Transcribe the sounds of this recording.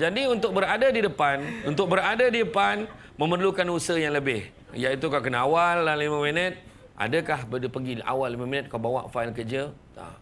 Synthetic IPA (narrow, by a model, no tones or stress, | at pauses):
d͡ʒadiunt̪ʊk̚bəɾadadidəpanunt̪ʊk̚bəɾadadidəpan | mə̃mərlukanusəhjaŋləbɪh | jait̪ukawkənaawalːahːimãminət̪̚ | ʔa̰dəkahbədipəɡia̰walːimamĩnət̪̚kawbawa̰ʔfailkəd͡ʒə | a̰